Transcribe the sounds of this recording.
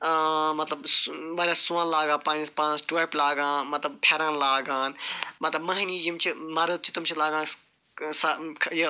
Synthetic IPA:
mɐt̪lɐbsbɐlʲaːsuãːnlaːɡãːpãːnispaːnãsʈwaːplaːɡãːmɐt̪lɐb̚pʰeːɾãːnlaːɡãːnmɐt̪lɐbmɐɦniːjimt͡ʃʰimɐɾəd̪̚t͡ʃʰit̪umt͡ʃʰilaːɡãː | sɐkʰji

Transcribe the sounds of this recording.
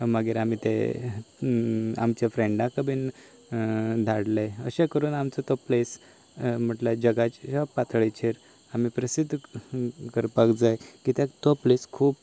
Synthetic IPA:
məɡeːɾam̤iːt̪e | a̰mt͡ɕafɾẽɳɖãkəbʱiːn | d̪ʱaɽleəɕẽkəɾuːnamt͡sət̪ɔples | m̤əʈlad͡ʑəɡat͡ɕapat̪ʰɭet͡ɕʰeɾ | am̤iːpɾəsid̪ʱː | kəɾpakd͡zajkit̪ãt̪ɔpleskʰuːp

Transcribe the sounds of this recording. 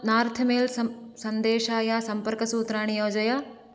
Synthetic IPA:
naːɾt̪ʰɐmeːlsɐnd̪eːʃaːjaːsɐmpɐɾkɐsuːt̪ɾaːɳijoːd͡ʒɐja

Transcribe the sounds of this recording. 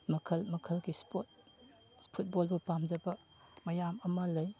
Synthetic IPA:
mɐkʰɐlmɐkʰɐlɡispot̚ | spʰut̚bolbupamd͡ʒɐbɐ | mɐjamɐmɐlɐj

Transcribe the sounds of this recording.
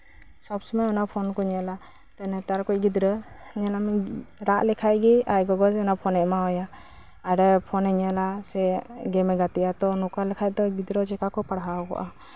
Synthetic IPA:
sɔbsɔmajɔnapʰɔnkɔɲɛla | t̪anɛt̪aɾkɔʔɡid̪ɾɔ | ɲɛlamiɾaʔlɛkʰajɡiajɡɔɡɔd͡ʒɔnapʰɔnɛʔmaɔjaː | ɾɛpʰɔnɛɲɛlasɛɡɛmɛɡat̪ijat̪ɔnɔkalɛkʰajt̪ɔɡid̪ɾɔd͡ʒɛkakɔpaɽɦaɡɔ̰ʔa

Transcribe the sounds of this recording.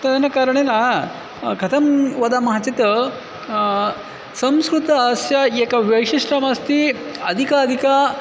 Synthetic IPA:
t̪ɐnɐkaɾɐɳena | kʰɐt̪ʰɐmʋɐd̪amɐɦat͡ʃet̪ə | sɐmskɾut̪ɐːsjaekaʋjɐjʂiʂɾamɐst̪iɐd̪ʱikaɐd̪ʱika

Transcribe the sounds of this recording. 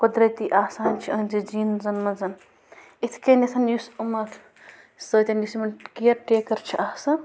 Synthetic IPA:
kud̪ɾɐt̪iʔaːsaːnt͡ʃʰiɐ̃nd͡ʒid͡ʒiːnzɐnmɐzɐn | it̪ʰkenesɐnjusumɐtʰ | səːt̪ʲɐnisimɐnkiɐɾʈeːkɐɾt͡ʃʰiʔaːsaːn

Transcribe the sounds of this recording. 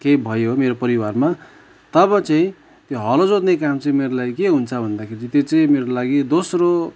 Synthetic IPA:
kebʱʌjomeɾopʌɾiwarma | t̪ʌbʌt͡saĩ | t̪joɦʌlod͡zot̪nekamt͡sʌĩmeɾolaikeɦunt͡sʰʌbʱʌnd̪akʰeɾit̪jot͡sʌĩmeɾolaɡid̪osro

